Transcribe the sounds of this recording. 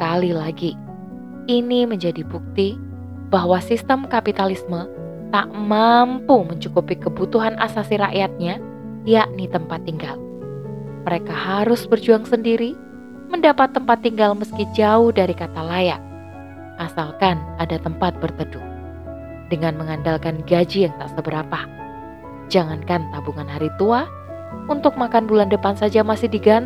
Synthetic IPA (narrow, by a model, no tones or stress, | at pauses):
əkalilaɡi | iniməɲd͡ʒadibuk̚t̪i | baɦwasist̪əmkapit̪alismə | t̪a̰ʔmampuməɲt͡ʃukupikəbut̪uɦana̰sasiɾaʔjat̪̚ɲa | jaʔnit̪əmpat̪ːiŋɡal | məɾekahaɾʊsbərd͡ʒuaŋsəndiɾi | məndapat̪ːəmpat̪ːiŋɡalməskid͡ʒaʊhdaɾikat̪alaja | ʔasalkanʔadat̪əmpat̪̚bərt̪ədu | dəŋanməŋandalkanɡad͡ʒijaŋt̪aʔsəbəɾapa | d͡ʒaŋankant̪abuŋanɦaɾit̪ua | unt̪ʊk̚makanbulandəpansad͡ʒamasɪhdiɡan